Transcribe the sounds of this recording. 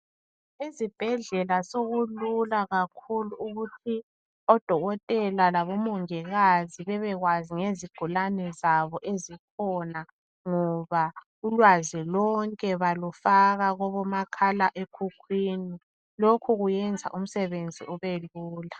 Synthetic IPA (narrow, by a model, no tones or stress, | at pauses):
izib̥ʱɛɮɛlasoɣululaɣakʰuluːɣutʰi | ɔd̥ʱɔɣɔtʼɛlalaβɔmɔŋɛɣaziβɛβɛɣwaziŋeziɡ̥ʱulanɛzaβɔʔezikʰɔna | ŋɔβa | ulwazilɔŋkʼɛβalufaɣaɣɔβɔmakʰalaʔekʰukʰwiːni | lokʰuɣujɛnd͡zʱa̰ʔum̩sɛβend͡zʱḭʔɔβeluːla